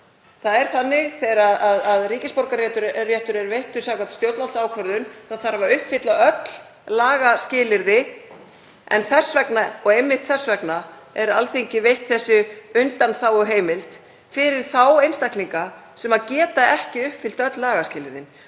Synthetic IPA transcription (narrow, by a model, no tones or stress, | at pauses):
θaðɛɾ̥θanːɪɣθɛɾaðaðaðriːcɪspoɾkaɾjɛt̪ʏɾrjɛht̪ʏɾɛɾvejht̪ʏsawkat̪st̪jowt̪valsaːwkʰvœɾðʏnθawθaɾhavaʏhpfɪt̪laœt̪l̥ | laːɣascɪːlɪɾðɪ | ɛ̰nθɛsːvɛknaɔɣejmːɪht̪θɛsːvɛkna | ɛɾalθeɲcɪvejht̪θɛsːʏʏnt̪anθawɔɦeːjmɪlt̪ | fɪɾɪɾ̥θawejnst̪ahkliŋkasɛmaðcɛːt̪aɛhcɪʏhpfɪl̥t̪œt̪lːaːɣascɪːlɪɾðɪn